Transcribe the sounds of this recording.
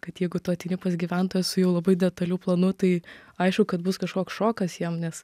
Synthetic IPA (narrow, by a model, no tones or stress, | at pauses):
kɐt̪jɛɪɡʊt̪oːt̪ʲɛɪnʲɪpɐsɡʲiːʋʲɛnt̪oːjɛsʊjɛʊlˠɐbɐɪdʲɛt̪ɐlʲuːplˠɐnʊt̪ɐɪɐɪʃkʊkɐt̪bʊskɐʃkoːksʃoːkɐsjiɛmnʲɛs